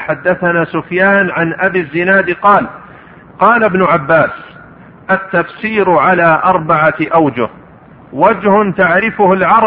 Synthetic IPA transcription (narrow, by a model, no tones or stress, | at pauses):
ħad̪ːaθanaːsʊfjaːnʕanʔabizːɪnaːd̪qɑːl | qɑːlabnʊʕabːaːs | ʔat̪ːafsiːɾʕalaːʔɑɾˤbaʕaʔawd͡ʒʊh | wad͡ʒhʊnt̪aʕɾɪfʊhalʕɑɾˤ